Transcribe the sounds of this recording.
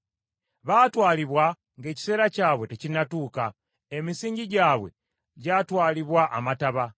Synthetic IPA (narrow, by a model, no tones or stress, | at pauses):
βaːtwaːliβwa | ŋɡe̞ci̥se̞ːɾacaːβwe̞tecinatuːka | emisiːɲɟiɟaːβwe̞̰ | ɟaːtwaːliβwaʔːmataβa